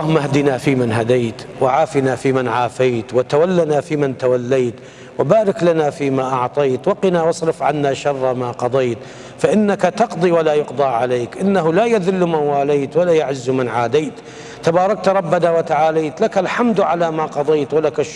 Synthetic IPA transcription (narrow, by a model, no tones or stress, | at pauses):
ɑhʊmːahad̪inafiːmɪnɦad̪aːt̪wɪʕaːfɪnafiːmɪnʕaːfaːt̪wɪt̪awalːanafiːmɪnt̪awalːajt̪ | wɪbaːɾɪklanafiːmaʔɑʕt̪ˤɑjt̪wɑqɪnawɑsˤɾɪfʕanːaʃɑrˤːɑmaqɑd̪ˤejt̪ | faʔɪnːakat̪ɑqd̪ˤiwalajʊqd̪ˤɑːʕaleːkʔɪnːaɦʊlajaðɪlːmanwaːlaːt̪walaːjaʕɪzːmɪnʕaːd̪aːt̪ | t̪abɑːɾˤɑk̚t̪ɾˤɑbːanawat̪aʕaːlaːt̪lakalħamd̪ʕalamaqɑd̪ˤejt̪walakaʃ